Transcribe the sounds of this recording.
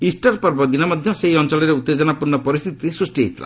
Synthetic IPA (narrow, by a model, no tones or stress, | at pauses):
isʈaɾpɔɾbɔd̪inɔmɔd̪ʱjɔseɦiɔnt͡ʃɔlɔɾeut̪ːed͡ʒɔnapuɾnɔpɔɾist̪ʰit̪isɾusʈiɦit̪la̰